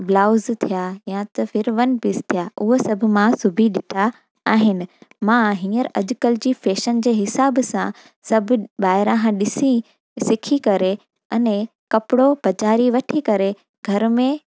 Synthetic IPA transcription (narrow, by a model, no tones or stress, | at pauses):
blaːʊzt̪ʰijajãt̪ɐfɪɾʋɐnpist̪ʰijaːʔʊɦosɐbʱʊ̆mãsʊbʱiɗɪʈʰaː | ɦɪnɪ̆mãɦĩːəɾɐʄʊkəld͡ʑiːfeːʃənd͡ʑeːɦɪsaːbsã̰ | sɐbʱʊɓaːɦɪɾãɦãɗɪsĩ | sɪkʰikɐɾe | ɐnẽ | kɐpɪɽob̥ɐd͡ʑaːɾiʋɐʈʰikɐɾe | ɡʱɐɾmẽ